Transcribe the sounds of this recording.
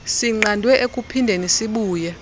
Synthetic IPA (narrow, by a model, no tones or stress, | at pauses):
siŋ͡ǀandʱwɛʔekʼupʰindʱenisiɓuːjɛ